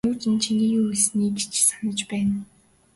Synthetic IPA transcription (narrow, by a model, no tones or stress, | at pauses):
ʊːt̪ɘ̆nt͡ɕʰiniːuuɮsniːkt͡ɕʰsanə̆t͡ɕpæːn